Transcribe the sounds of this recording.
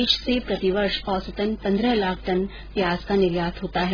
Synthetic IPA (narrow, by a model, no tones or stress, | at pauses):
iːʃsepɾɐt̪iʋəɾʃɔːɾsɐt̪ə̃npɐ̃nd̪ɾəɦlaːkʰʈ̪ɐn | pjaːzkanɪɾjaːt̪ʰɦoːt̪aɦɛː